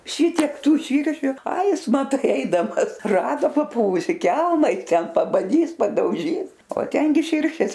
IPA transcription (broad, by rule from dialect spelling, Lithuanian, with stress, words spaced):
ˈʃʲɪtʲiɛk ˈtuː ˈʃʲiːrʲʃʲʊ ɐɪ ˈjɪs mɐˈtɐɪ ˈɛɪdɐmɐs ˈrɑːdoː pɐˈpʊʋʊsʲɪ ˈkʲɛlˠmɐ ɪ ˈtʲɛn pɐbɐˈdʲiːs pɐdɐʊˈʒʲiːs oː ˈtʲɛŋʲɡʲɪ ˈʃʲɪrʲʃʲeːs